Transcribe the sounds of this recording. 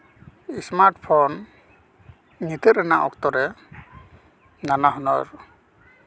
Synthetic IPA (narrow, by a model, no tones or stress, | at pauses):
ismaɹʈpʰɔn | nit̪ʰeɾɛnaʔɔ̰ktɔɾɛ | nanaɦɔnɔɹ